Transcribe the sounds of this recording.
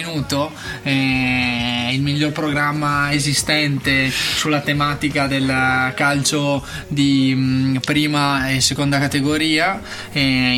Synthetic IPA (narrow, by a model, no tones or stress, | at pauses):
nuːt̪o | ɛ | ilmiʎːorpɾoɡɾamːaezist̪ɛnt̪esulːat̪emaːt̪ikad̪elkalt͡ʃo | d̪i | pɾiːmaesekond̪akat̪eɡoɾiːa | ɛ